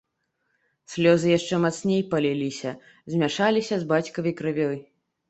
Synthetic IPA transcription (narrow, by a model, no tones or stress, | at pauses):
sʲlʲɔzɨjaʂt͡ʂɛmat̪snʲejpalʲilʲisʲɐ | zʲmʲaʂalʲisʲɐzbat͡sʲkɐvɐjkɾɨvʲɔj